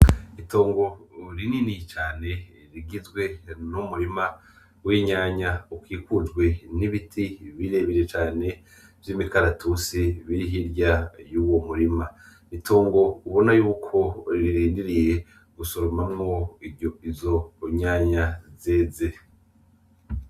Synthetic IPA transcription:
ito̞ːŋɡo̞ɾininit͡ʃaːne̞ | ɾiɡizɡwe̞numuɾima | wiːɲaːɲaukiːkud͡ʒɡwe̞niβitʰiβiɾe̞βiɾe̞t͡ʃaːne̞ | vjimikaɾatusiβiɾiɦiɾjajuːwo̞muɾima | itʰo̞ːŋɡo̞uβo̞najuːkʰo̞ɾiɾiːndiɾije̞ | ɡusoɾomamŋo̞iizo̞ɲaːɲaze̞ːze

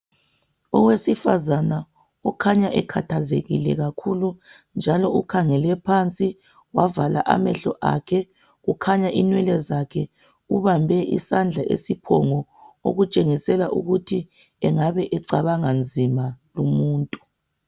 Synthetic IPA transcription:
ɔwesifa̰zana | ɔkʰaɲaʔɛkʰatʰazḛɣḭlɛ̰ɣakʰulund͡ʒʱalɔukʰaŋɛlɛpʰant͡sʼi | wavala̰ʔa̰mɛɬɔʔa̰kʰɛ | ɣukʰaɲaʔinwɛlɛzakʰɛ | uβambʱɛʔisand͡ɮʱaʔḛsipʰɔŋɔo̰ɣut͡ʃʼeŋisɛlaʔṵɣutʰi | ɛŋaβɛʔɛǀaβaŋand͡zʱimalumuːntʼu

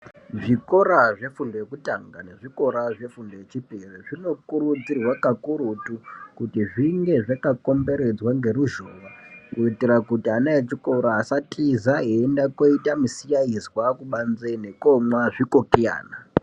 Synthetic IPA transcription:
ʐiko̞ɾaʐe̞fundojekutaŋɡane̞ʐiko̞ɾaʐe̞fundojet͡ʃipereʐino̞kuɾud͡zirwakakuɾutukutiʐiŋɡe̞ʐakako̞mbe̞ɾe̞d͡zwaŋɡe̞ɾuʒoːʋakuitirakutianaet͡ʃiko̞ɾaːsatʼizaeːndako̞itamisijaizwakuɓanzene̞komwaʐikokeja̰ːna

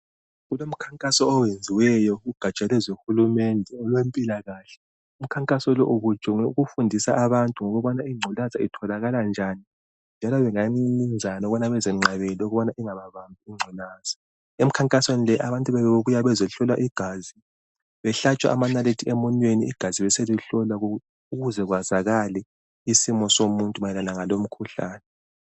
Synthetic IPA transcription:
ɣulom̩kʰaŋkʼasɔːwend͡zʱiwɛjɔɣuɡ̥ʱat͡ʃʼalwɛzoxulumɛndʱɛɔlwempʼilaɣaːɬɛ̥ | um̩kʰaŋkʼasɔlɔʔuβut͡ʃʼɔɣufundʱisa̰ʔaβantʼuŋɔɣuβɔnaiŋ͡ǀʱɔlazaitʰɔlaɣaland͡ʒʱani | nd͡ʒʱalɔβɛŋanind͡zʱanɔɣɔnaβɛzɛŋ͡ǀʱaβelioɣuβɔnaʔiŋaβaβambʱiiŋ͡ǀʱɛlaːz̥ḁ | em̩kʰaŋkʼaswenilɛʔaβantʼuβɛβɛβeβujaβɛzɔɬɔlwaʔiɡ̥ʱazi | βɛɬat͡ʃʼwa̰ʔamanaletʰiemɔnweniḭɡ̥ʱaziβɛseluɬɔla | uɣuzɛɣwazaɣalɛ | isimɔsomuntʼumajɛlalaŋalom̩kʰuɬa̰ːnɛ

